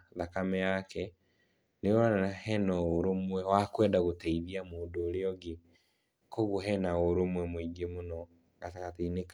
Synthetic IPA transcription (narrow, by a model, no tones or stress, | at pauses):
ðakamɛakɛ | newanaahɛnɔoɾomwɛwakwɛːndaɣotɛiðiamoːndoːɾeɔɡe | koɣoɦɛnaoɾomwɛmoiɡemonɔ | ɣataɣateinek